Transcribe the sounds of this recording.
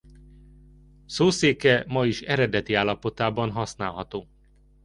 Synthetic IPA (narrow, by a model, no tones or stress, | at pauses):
soːseːkɛmɒiʃɛɾɛd̪ɛt̪iaːlːɒpo̞t̪aːbɒnɦɒsnaːlɦɒt̪oː